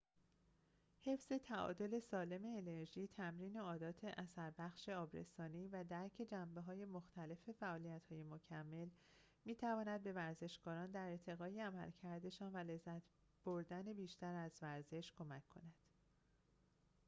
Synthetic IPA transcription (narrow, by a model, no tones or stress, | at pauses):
he̞fz̥e̞t̪ʰæɒ̰ːd̪o̞le̞sɒːle̞me̞ːne̞ɾʒiːt̪ʰæmɾiːne̞ɒːd̪ɒːt̪ʰe̞ʔæsæɾbæxʃeɒːbɾe̞̰sɒːniːvæd̪æɾcʰe̞d͡ʒæmbe̞ɦɒːje̞moxt̪ʰæle̞fe̞fæʔɒːlijæt̪hɒːje̞mocʰæmːe̞l | miːt̪ʰævɒːnæd̪̚be̞væɾze̞ʃkɒːɾɒːnd̪æɾet̪ʰe̞ɣɒːjeæmæ̰lcʰæɾd̪e̞ʃɒːnvæle̞zːæt̪ʰ | b̥oɾd̪æne̞biːʃt̪æɾæzvæɾze̞ʃkʰo̞mæcʰːo̞̰næd̪̥